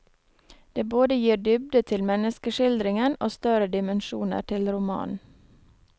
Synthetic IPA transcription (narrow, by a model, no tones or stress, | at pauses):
d̪̥eːboːd̪əjiːdʏb̚d̪ət̪ʰɪlmɛnəskəʃɪld̪ɾɪŋənoːst̪œɾəd̪ɪmənʃuːnə̰ɾʈʰɪlɾʊmɑ̰ːnn